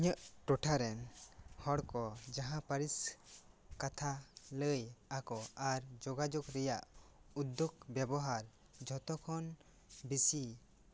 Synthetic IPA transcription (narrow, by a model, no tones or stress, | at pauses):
ɲəʔʈɔʈʰaɾɛnhɔɽkɔd͡ʒaɦãpaɾis | kat̪ʰaləjakɔaɾd͡ʒɔɡad͡ʒɔɡɾɛjaʔud̪jɔɡbjɛbɔɦaɾ | d͡ʒʱɔt̪ɔkʰɔn | bisi